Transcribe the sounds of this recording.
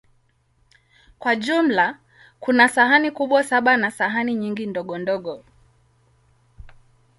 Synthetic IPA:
kwaʄum̩la | kunasahanikuɓwasaɓanasaɦaniɲiŋɡindɔɠɔndɔɠɔ

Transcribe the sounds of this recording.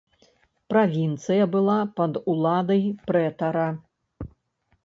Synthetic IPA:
pɾavʲint̪sɨjɐbɨlˠapɐd̪ulˠad̪ɐjpɾɛt̪ɐɾɐ

